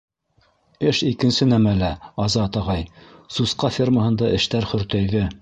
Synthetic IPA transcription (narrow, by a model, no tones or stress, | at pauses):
ɘʃikɘ̆nsɘnæmælæɑzɑt̪ɑʁɑjsusqɑfʲirməɦɤ̆nd̪ɑʔɘ̆ʃt̪æɾχɵ̆ɾt̪æjðɘ